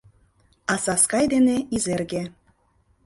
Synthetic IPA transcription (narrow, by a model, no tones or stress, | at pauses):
ɑsɑskɑjd̪eneizerɣe